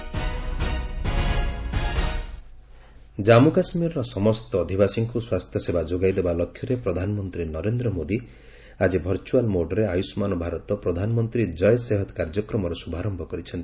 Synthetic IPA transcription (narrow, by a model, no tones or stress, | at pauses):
d͡ʒamukasmiɾɔɾɔsɔmɔst̪ɔːd̪ʱibasiŋkʰuswast̪ʰjɔsebad͡ʒoɡajd̪ebalɔkʰjɔɾepɾɔd̪ʱanɔmɔnt̪ɾinɔɾend̪ɾɔmod̪i | ad͡ʒibʱɔɾt͡ʃualmoɖɔɾeajusmanɔbʱaɾɔt̪ɔpɾɔd̪ʱanɔmɔnt̪ɾid͡ʒɔjseɦɔt̪kaɾd͡ʒɔkɾɔmɔɾɔsubʱaɾɔmbʱɔkɔɾit͡ʃʰɔnt̪i